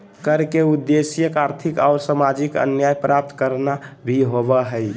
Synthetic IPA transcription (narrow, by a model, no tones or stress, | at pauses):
kəɾkeud̪ːesjəkaɾt̪ʰikɔːʊɾsamad͡ʒikə̰njajpɾap̚t̪kəɾnaɾiɦobəɦəj